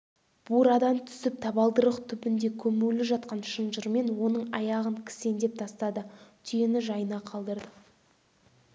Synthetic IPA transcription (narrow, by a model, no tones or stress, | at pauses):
b̥uɾɑd̪ɑmt̪ʰʏ̥sɪp̚t̪ʰɑβɑlˠd̪əɾəqt̪ʰʏpɪnd̪e̞kʲʰɵmulɪʒɑt̪qɑnʃənʒəɾme̞nwo̞nəɴɑ̰jɑʁəŋkʲʰɪ̥se̞nd̪e̞p̚t̪ʰɑst̪ɑd̪ət̪ʰijenɪʒɑjənɑqʰɑlˠd̪əɾd̪ə